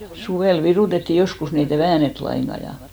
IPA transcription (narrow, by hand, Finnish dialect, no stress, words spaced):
suʋeˑl ʋiruˑtetːi joskus ni et ei ʋæːnet lɑiŋɡ̊ɑ jɑ